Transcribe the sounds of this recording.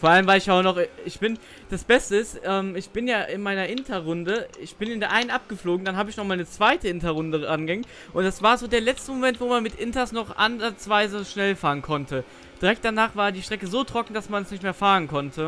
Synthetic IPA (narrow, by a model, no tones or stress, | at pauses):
foːɐʔaləmvaɪlɪçjaʊnɔχɪçb̥ɪn | d̥asb̥ɛstəɪstʔɛːmɪçb̥ɪnjaːʔɪnmaɪnɐʔɪntʰɐʁʊndəɪçb̥ɪnɪndeːɐʔaɪnənʔap̚ɡ̥əfloːɡŋ̩danɦaːbəɪçnɔχmaːlnət͡sv̥aɪtəʔɪntɐʁʊndəʔanɡɛŋ | ʔʊntd̥asv̥aːɐzoːdeːɐlɛt͡stəmomɛntv̥oːmanmɪtʔɪntɐsnɔχʔa̰nzat͡sv̥aɪzəʃnɛlfaːʁənkʰɔntʰə | d̥iʁɛk̚t̚d̥anaːχv̥aːɐdiːʃtʁ̥ɛkəzoːtʁ̥ɔkŋ̩d̥asmanɛsnɪçtmeːɐfaːʁənkʰɔntʰə